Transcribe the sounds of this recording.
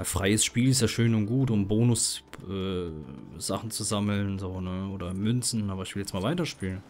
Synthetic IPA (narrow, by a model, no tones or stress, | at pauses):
fʁ̥aɪəsʃpiːlɪs̬jaːʃøːnʊntɡ̥uːtʊmboːnʊsʔɛː | z̥aχn̩t͡suzaml̩nzoːnəʔoːdɐmʏnt͡sn̩aːbɐɪçvɪljɛt͡stmaːlvaɪtɐʃpiːlən